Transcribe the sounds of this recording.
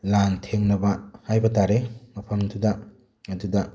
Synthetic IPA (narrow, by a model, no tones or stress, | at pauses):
lantʰeŋnɐbɐhajbɐtaɾemɐpʰɐmntʰuda | ɐdudɐ